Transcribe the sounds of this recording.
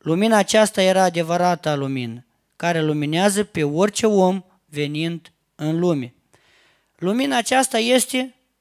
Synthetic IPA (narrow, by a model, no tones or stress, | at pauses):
luminaːt͡ʃast̪aje̞ɾaːd̪e̞vəɾat̪aluminə | kaɾe̞lumineazəpe̞o̞rʲt͡ʃe̞o̞m | ve̞nind̪ | ɨnlume | luminaːt͡ʃast̪aje̞st̪e̞